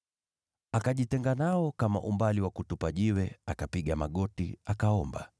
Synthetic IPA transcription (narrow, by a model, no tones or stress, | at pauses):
akaʄitɛŋɡanaɔkama̰ʔumbaliwakutupaʄiwɛakapiɠamaɠɔtiakaɔmba̰